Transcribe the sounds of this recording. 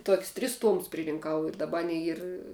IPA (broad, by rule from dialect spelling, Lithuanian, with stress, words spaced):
toːkʲsʲ tʲrʲɪs ˈtuɔmʊs pʲrʲɪrʲɪŋˈkɐʊ ɪr dɐˈbɐr ˈɑːnʲɛɪ ˈiːr